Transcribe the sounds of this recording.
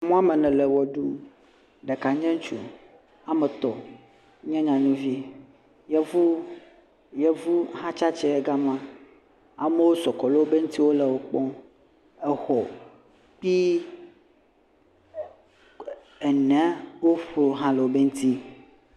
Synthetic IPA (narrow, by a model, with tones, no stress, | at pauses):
mũ˦a˦mɛ˨nɛ̃˨le˨wɔ˨ɖu˦ | ɖɛ˨ka˨ɲɛ̃˦ŋ˦t͡ʃṵ˨ | a˨mɛ˨t̪ɔ˨˦ | ɲɛ̃˦ɲã˨ɲũ˦vi˦ | jɛ˦vu˦ | je˦vu˦ɦã˦t͡ʃa˦t͡ʃɛ˦e˨ɡa˦m˦ã˦ | a˨me˦wo˦sɔ˨kɔ˨le˦wo˦be˦ŋũ˦t̪i˦wo˦lɛ˨wo˦k͡pɔ̃˦ | ɛ˨hɔ˨ | k͡pi˦ | ɛ˨nɛ̃˦wo˦ɸo˨ɦã˦le˨wo˦be˦ŋũ˦t̪i˦